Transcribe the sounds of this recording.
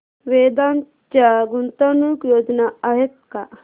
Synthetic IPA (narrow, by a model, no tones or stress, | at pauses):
ʋeːd̪an | t͡ʃaɡunt̪anukjoːd͡ʒnaɐɦet̪̚ka